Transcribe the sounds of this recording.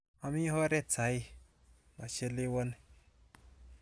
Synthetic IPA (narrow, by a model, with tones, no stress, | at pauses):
a˨mi˦ho˦ɾe˦t͡sa˨˦i˦ | ma˨t͡ʃe˦le˦wo˦n